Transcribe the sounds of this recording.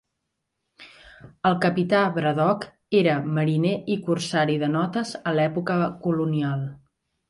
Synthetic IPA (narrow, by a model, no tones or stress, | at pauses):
əlˠkəpit̪aβɾəðɔk | eɾəməɾineʔikursaɾiðənɔt̪əzəlɛpukəkulunialˠ